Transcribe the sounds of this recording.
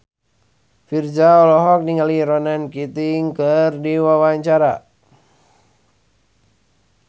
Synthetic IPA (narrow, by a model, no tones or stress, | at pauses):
fird͡ʒaɔlɔɦɔk̚niŋaliɾɔnankit̪iŋkərdiwawaɲt͡ʃaɾa